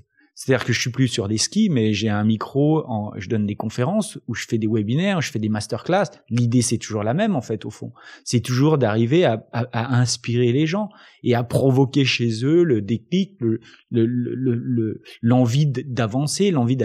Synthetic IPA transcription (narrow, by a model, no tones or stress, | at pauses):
set̪ad̪iʁkəʒəsɥiplysyʁd̪eskʲimɛʒeɛ̃mikχoɑ̰̃ʒəd̪ɔnd̪ekɔ̃feʁɑ̃suʒəfɛd̪ewɛbinɛʁuʒə̥fɛd̪emast̪œʁklaslid̪esɛt̪uʒuʁlamɛmɑ̃fɛt̪ofɔ̰̃sɛt̪uʒuʁd̪aʁiveaːaɛ̃spiʁeleʒɑ̃ | eapχɔvɔkʲeʃezøləd̪ekliklə | ləl̰lələlɑ̃vid̪d̪avɑ̃selɑ̃vid̪